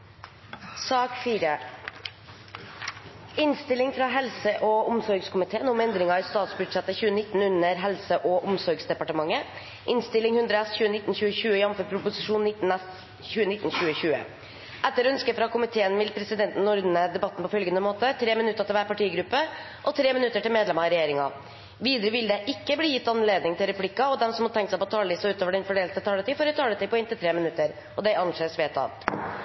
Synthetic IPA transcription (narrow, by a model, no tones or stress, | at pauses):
sɑːkfiːɾə | ɪnst̪ɪlɪŋfɾɑːɦɛlsəʔɔʊmsɔɾɡskʰʊmɪt̪ʰeːənʊmɛnd̪ɾɪŋɑɪst̪ɑːt̪sbʉɖʂɛt̪ːəçʉːənɪt̪ːn̩ʉnəɾɦɛlsəʔɔʔʊmsɔɾɡsd̪ɛpɑʈəmɑŋːə | ʔɪnst̪ɪlːɪŋhʉnd̪ɾəɛsçʉːənɪt̪ːn̩çʉːəçʉːəɪɑmfəpʰɾʊpʊsɪʂuːnːɪt̪n̩ɛ | çʉːənɪt̪ːn̩çʉːəɕʉːə̰ | ʔɛt̪ːəɾɔœnskəfɾɑkʰʊmɪt̪ʰeːənʋɪlpʰɾɛsɪd̪ɛnt̪n̩ɔɾd̪n̩əd̪ɛbɑt̪ːn̩pʰɔfœlɡənəmoːt̪ət̪ʰɾeːmɪnʉt̪ːət̪ʰɪlʋæːɾpɑʈiːɡɾʉpːə | ʔɔt̪ʰɾeːmɪnʉt̪ːəʈɪlmeːd̪lɛmɑɪɾɛjeːɾɪŋɑ̰ | ʋiːd̪əɾəʋɪld̪ɛʔɪkːəbliːjɪt̪ːɑnleːd̪nɪŋt̪ʰɪlɾɛpʰlɪkːɑɔd̪ɛmsɔmhɑt̪ʰɛŋkt̪sæɪpʰɔt̪ʰɑːləɪsɔʉːt̪oːʋəɖɛnfɔɖeːlt̪ət̪ʰɑːlət̪ʰiːfɔɾɛt̪ʰɑːlət̪iːpʰɔɛːnt̪ɪlt̪ʰɾeːmɪnʉt̪ːəɾ | ʔɔd̪ɛɪɑnʂeːsʋeːt̪ʰɑ̰ʋt̪